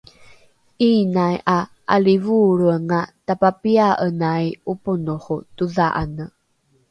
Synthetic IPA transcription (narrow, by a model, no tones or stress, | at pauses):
ʔinajʔa | ʔa̰livuɾuəŋatapapiaʔənajupunuχutuðaʔa̰nə